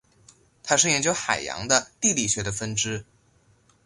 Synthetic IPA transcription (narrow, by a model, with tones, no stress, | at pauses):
t̪ʰa˥ʂɻ̩˥˩jɛ˧˥nt͡ɕjo˥ʊxa̰˨˩ɪjɑ̰˧˥ŋd̪ə˧t̪i˥˧li˨˩ɕɥɛ˧˥d̪ə˧fə˥nʈ͡ʂɻ̩˥